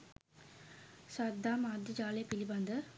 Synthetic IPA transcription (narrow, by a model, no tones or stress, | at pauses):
sɐd̪ːaːmad̪id͡ʒaːleːpilibɐnd̪ɯ